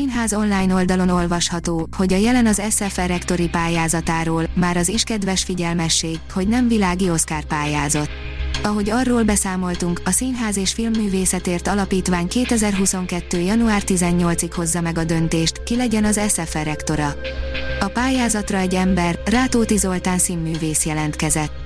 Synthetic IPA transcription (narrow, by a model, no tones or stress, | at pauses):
sinɦaːzo̞nlaːjno̞ld̪ɒlo̞no̞lvɒʃhɒt̪oːho̞ɟɒjɛlɛnɒzɛsɛfɛɾɛkt̪o̞ɾipaːjaːzɒt̪aːɾoːlmaːɾɒziʃkɛd̪vɛʃfiɟɛlmɛʃːeːɡho̞ɟnɛɱvilaːɡio̞skaːrpaːjaːzot̪ | ɒɦo̞ɟɒrːoːlbɛsaːmo̞lt̪uŋkɒsinɦaːzeːʃfilmːyːveːsɛt̪eːrt̪ɒlɒpiːt̪ʋaːɲkeːt̪ɛzɛrɦuso̞ŋkɛt̪ːøːjɒnuaːrt̪izɛɲːo̞lt̪sikho̞zːɒmɛɡɒd̪ø̞nt̪eːʃt̪kilɛɟɛnɒzɛsɛfɛɾɛkt̪o̞ɾɒ | ɒpaːjaːzɒt̪rɒɛɟɛmbɛrːaːt̪oːt̪izo̞lt̪aːnsimːyːveːsjɛlɛnt̪kɛzɛt̪ː